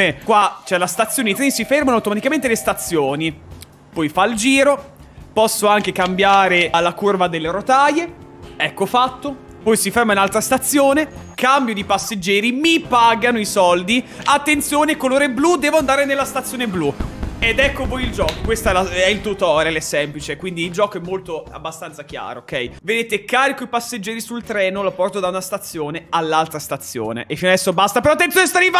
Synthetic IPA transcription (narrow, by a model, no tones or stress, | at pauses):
ekwat͡ʃɛlast̪at̪sːjoneit̪ɾisifermanoawt̪omat̪ikament̪elest̪at̪sːjoːni | pɔjfaild͡ʒiːɾo | pɔsːoaŋkekambjaːɾealːakurvad̪elːeɾot̪aje | ɛkːofat̪ːo | pɔjsifermainalt̪ɾast̪at̪sːjoːne | kambjod̪ipasːed͡ʒːɛːɾimipaːɡanoisɔld̪iat̪ːent̪sjoːnekːoloːɾeblud̪ɛːvoand̪aːɾenelːast̪at̪sːjoːneblued̪ɛkːovojild͡ʒɔːkokwest̪ɛlaɛilt̪ut̪ɔːɾelɛsɛmplit͡ʃekwind̪iːld͡ʒɔːkoɛmːolt̪oa̰bːast̪ant̪sakja̰ːɾo̰ːkɛjved̪eːt̪ekːaːɾikoipasːed͡ʒːɛːɾisult̪ɾɛːnolapɔrt̪od̪aunast̪at̪sːjoːnealːalt̪ɾast̪at̪sːjo̰ːnḛʔefinoad̪ɛsːobast̪apeɾɔat̪ːenjonest̪aɾiva